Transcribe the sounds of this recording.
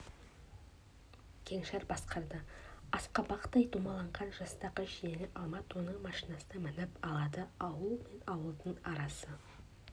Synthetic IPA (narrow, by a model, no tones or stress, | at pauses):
kʲʰe̞ŋʃɑɾbɑsqɑɾd̪əɑsqɑbɑqt̪ːɑjd̪umɑlˠɑɴʁɑnʒɑst̪ɑʁəʃjenɪʔɑlˠmɑt̪wo̞nəɴmɑʃinɑsənɑmɪnɪpɑlˠɑd̪əɑwəlˠme̞nɑwəlˠd̪əɴɑɾɑsə